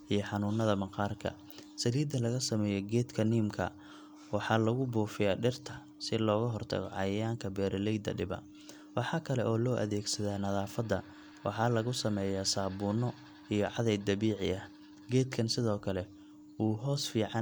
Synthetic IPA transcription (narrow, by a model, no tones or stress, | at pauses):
ʔijɞħɑnuːnɐðɐmɑqɑːrkʰɐ̰ | sɐliːd̪ɐlɐɣɐsɐmɛːjɔɡɛːd̪kʰɐniːmkʰɐ̰ | wɑħɑːlɐɣʊbuːfɪjaːɖɪrt̪ʰɐ | sɪlɔːɣɐɦɔrt̪ʰɐ̰ɣɔ̰ʕɑjɐjaːŋkʰɐbɛːɾɪlɛjd̪ɐ̰ɖɪbɐ̰ | wɑħɑːkʰɐlɛʔɔːlɔːʔɐ̰ðɛːɡsɐðaːnɐðaːfɐd̪ɐ̰ | wɑ̰ħɑːlɐɣʊsɐmɛːjaːsaːbuːnɔ | ijɔʕɑðɛjd̪ɐβiːʕɪ̰ʔɐ | ɡɛːd̪kʰɐnsɪðɔːkʰɐlɛ | uːɦɔːsfiːʕɑ